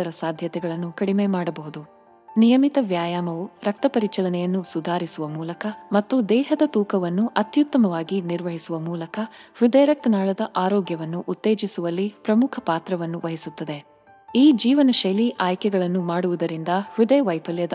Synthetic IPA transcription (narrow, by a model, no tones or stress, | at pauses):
ɐɾɐsaːd̪ʱjɐt̪ɛɡɐɭɐnːukɐɽime̞ːmaːɽɐbɐɦud̪u | nijɐmit̪ɐʋjaːjaːmɐʋuɾɐk̚t̪ɐpɐɾit͡ʃɐlɐnɛjɐnːusud̪ʱaːɾisuʋɐmuːlɐkɐmɐt̪ːud̪ɛːɦɐd̪ɐt̪uːkɐʋɐnːuʔɐt̪jut̪ːɐmɐʋaːɡiniɾʋɐɦisuʋɐmuːlɐkɐhɾud̪eːɾɐk̚t̪ɐnaːɭɐd̪ɐʔaːɾɔːɡjɐʋɐnːuʔut̪ːe̞ːd͡ʒisuʋɐlːipɾɐmukʰɐpaːt̪ɾɐʋɐnːuʋɐɦisut̪ːɐd̪e̞ | iːd͡ʒiːʋɐnɐʃɐjliʔaːjkɛɡɐɭɐnːumaːɽuʋud̪ɐɾind̪ɐhɾud̪eːʋɐjpʰɐljɐd̪ɐ